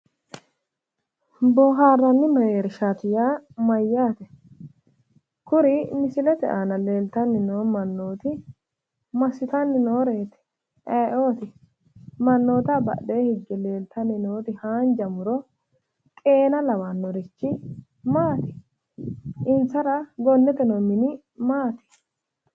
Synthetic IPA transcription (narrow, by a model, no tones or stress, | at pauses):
boːɦaːrːɐnːɪmɛjeːɾɪʃaːt̪ɪjaːmɐjːaːt̪ɛ | kʊɾɪmɪsɪlɛt̪ɛ̰ʔaːnɐleːlt̪ɐnːɪnoːmɐnːoːt̪ɪ | mɐsɪt̪ɐnːɪnoːɾe̞ːt̪ɪ̥ | ʔɛːʔo̞ːt̪ɪ | mɐnːo̞ːt̪ɐbɐ̰deːhɪɡːɛle̞ːlt̪ɐnːɪnoːt̪ɪhaːnd͡ʒɐmʊɾɔ | kʼe̞ːnɐlɐwanːɔɾɪt͡ʃːɪ | maːt̪ɪ̥ | ʔɪnt͡sːɐɾɐɡɔnːɛt̪ɛnomɪnɪ | maːt̪ɪ̥